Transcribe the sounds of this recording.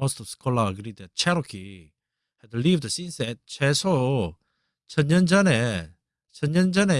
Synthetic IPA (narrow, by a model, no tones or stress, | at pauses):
ostʰʌv̥skʰolaəɡɾid̚ɛt̚t͡ʃʰɛɾokʰi | hɛd̚tʰulivdəsinsɛt̚t͡ɕʰesʰoo | t͡ɕʰʌnjʌnd͡ʑʌne | t͡ɕʰʌnɲʌnd͡ʑʌne